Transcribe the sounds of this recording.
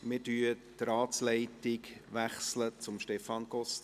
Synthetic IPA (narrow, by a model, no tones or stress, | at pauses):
mɪɾdyːəttɾaːtslɛɪtɪkʋæχslət͡sʊmʃtɛfɑnɡ̥ɔst